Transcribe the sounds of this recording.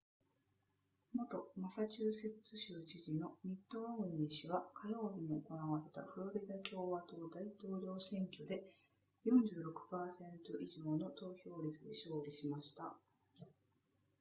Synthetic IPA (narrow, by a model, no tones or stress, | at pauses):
mo̞t̪o̞masat͡ɕɨːse̞t͡sɨɕɨːt͡ɕiʑino̞mʲit̪ːo̞oɲĩɕiβakʰajo̞ːbʲiɲ̟ioko̞naβaɾe̞t̪a̰ɸɯ̟ɾo̞ɾʲid̪akʲo̞ːβat̪o̞ːd̪ait̪o̞ːɾo̞ːsẽ̞ŋkʲo̞d̪e̞ | jõ̞ɲ̟d͡ʑɨːɾo̞kɯ̟̥paːsẽ̞nt̪o̞ʔiʑo̞ːno̞t̪o̞ːçʲo̞ːɾʲit͡sɨdiɕo̞ːɾʲiɕimaɕi̥t̪a̰